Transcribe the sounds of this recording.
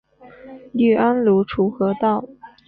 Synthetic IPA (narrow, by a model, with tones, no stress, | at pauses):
ly˥˩ʔa˥nlu˧˥ʈ͡ʂʰu˧˥xɤ˧˥t̪ɑ˥˩ʊ